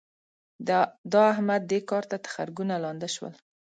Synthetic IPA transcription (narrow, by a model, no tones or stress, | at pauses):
d̪ɑahmad̪̚ːekɑɾt̪at̪ḁxa̰ɾɡunalɑnd̪ɪʃwə̰l